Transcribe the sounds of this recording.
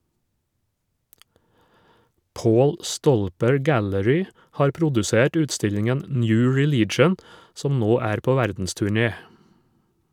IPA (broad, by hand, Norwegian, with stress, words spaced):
ˈpoːl ˈstɔlpəɹ ˈɡæləɹʏ ˈhɑːɾ ˈpɾʊdʉˌseːʈ ˈʉːtˌstɪʎɪŋɛn ˈnjʉː ɹɪˈliːt͡ʃən ˈsɔm ˈnoː ˈæːɾ ˈpoː ˈʋæɾdn̩stʉˌɳeː